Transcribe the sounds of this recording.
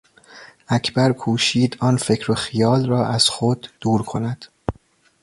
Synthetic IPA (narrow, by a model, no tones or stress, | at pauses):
ʔæcʰbæɾkʰuːʃiːd̪ɒːnfecʰɾoxijɒːlrɒːʔæz̥xod̪ːuːɾkʰo̞næd̪̥